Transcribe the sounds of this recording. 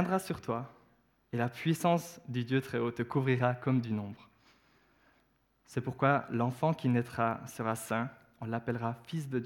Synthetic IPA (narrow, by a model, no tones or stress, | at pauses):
ɛ̃d̪ʁasyʁt̪wa | elapɥisɑ̃sd̪yd̪jøt̪χɛot̪əkuvʁiʁakɔmd̪ynɔ̃bʁ | sɛpuʁkwalɑ̃fɑ̃kʲinɛt̪χasəʁasɛ̃ | ɔ̃lapɛlʁafis̬d̪əd̪jø